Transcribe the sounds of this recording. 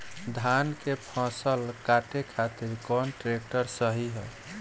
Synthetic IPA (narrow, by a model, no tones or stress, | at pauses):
d̪ʱankepʰãsəlkaʈekʰat̪iɾkɔnʈɾek̚ʈəɾsəɦiɦɛ